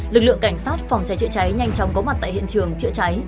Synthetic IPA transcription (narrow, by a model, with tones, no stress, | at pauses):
lɨ˨˩k̚lɨ̰˧˨əŋka˧˩jŋ̟saː˦˥t̚fwŋ͡mt͡ɕa˨˦jt͡ɕɨ̰˧˥ət͡ɕa˨˦jɲa˧jŋt͡ɕɔ˨˦ŋ͡mkɔ˨˦ma˨˩t̚t̪a̰ː˧˨hḭ˧˨ənt͡ɕɨ˨˩əŋt͡ɕɨ̰˧˥ət͡ɕa˨˦j